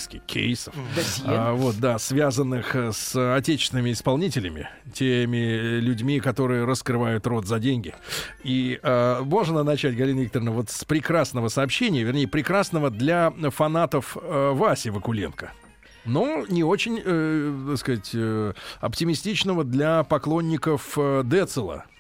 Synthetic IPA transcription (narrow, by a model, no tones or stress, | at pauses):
skʲɪxkʲʰḛjsəf | vo̞t̪̚d̪asvʲazənːɨxsɐtʲet͡ɕɪ̥st̪ʲɪnəmʲɪɪspɐlˠnʲitʲɪlʲɪmʲɪ̰tʲemʲɪlʲʉdʲmʲikɐt̪o̞ɾɨjəɾəskɾɨvajʊt̪ro̞t̪zɐdʲenʲɡʲɪiəmo̞ʐnənɐt͡ɕætʲɡɐlʲinəvʲikt̪əɾnəvo̞t̪spɾʲɪkɾasnəvəsɐːpɕːenʲɪjəvʲɪrnʲejəpɾʲɪkɾasnəvəd̪lʲafɐn̪at̪əfvasʲɪvəkʊlʲḛnkə̥ | nonʲɪo̞t͡ɕɪnʲət̪akskɐatʲəɐ̰ptʲɪmʲɪsʲtʲit͡ɕnəvəd̪lʲɐpɐklˠo̞nʲːɪkəfəd̪ɛt̪sɨlˠə̰